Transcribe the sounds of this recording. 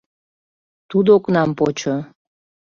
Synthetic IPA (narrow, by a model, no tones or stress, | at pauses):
t̪ud̪oknɑmpot͡ɕo